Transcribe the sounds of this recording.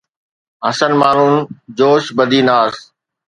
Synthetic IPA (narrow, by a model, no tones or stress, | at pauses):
ɦɐsənmaːn̤und͡ʑoːʃbəd̪ʱiːnaːs